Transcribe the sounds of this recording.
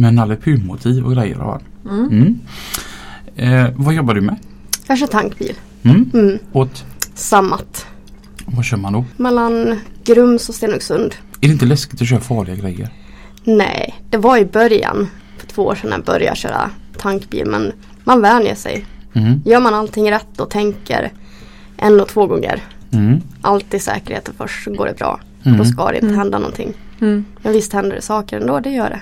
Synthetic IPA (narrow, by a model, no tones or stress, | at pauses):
mɛnalːəpʰʉmʊt̪ʰiːɔ̰ɡɾɛjːə̰ɾa̰va̰l̩ | vajɔbːad̪ɵmɛ | jaɕ̬əːɾt̪ʰaŋkbḭːl̩ | ot̪samːʔat̪ | vaɕœːɾmand̪ɔmɛlːanɡ̥ɾɵmsɔst̪eːnoɡsɵnd̪ɛɾɛɪnt̪əlɛskɪ̥t̪ɔɕ̬øːɾafɑːɭɪɡaɡɾɛjːə̰ɾ | nɛ̰jd̪̥ɛvaɪbœɾja̰n | fœ̥ʈʰv̥oːoːʂɛnːa̰bœɾjaɕø̰ːɾat̪ʰaŋkbḭːlmɛn | manvæɳjə̰ʂɛ̰jjœːɾmanalt̪ʰɪŋːɾɛt̪ːɔt̪ʰɛŋkə̰ɾ | ʔɛnːɔt̪ʰvoːɡɔŋːə̰ɾ | ʔalt̪iːsɛ̰ːkəɾhḛːt̪ənfœʂʈsɔɡoːɖɛbɾɑ̰ː | d̪ɔskɑd̪ɛ̰ʔɪ̰nt̪əhɛnd̪anɔ̰nt̪ʰɪ̰ŋːmɛnvɪst̪hɛnd̪əɖɛsɑːkəɾɛnd̪oːd̪ɛjœːɖɛ